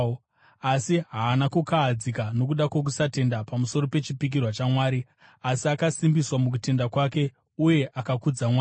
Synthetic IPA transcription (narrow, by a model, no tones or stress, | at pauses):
asiɦaːnakukaːd͡zikano̞kuɗakwok̬usate̞ndapamuso̞ɾo̞pe̞t͡ʃipik̬irwat͡ʃamwaːɾi | asiakasimbiswamuk̬ute̞ndakwake̞ | uje̞ʔakakud͡zamwa